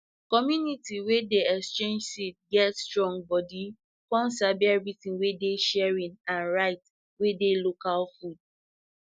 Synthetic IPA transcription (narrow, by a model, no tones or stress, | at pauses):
kɔmjunitiwedeɛkst͡ʃẽnd͡ʒsit̚ɡɛtstɹɔ̃ŋbɔdi | kɔ̃nsabɛɹitĩnwedeʃɛɹĩnãnɹaɪt | wedelokalfud̥̚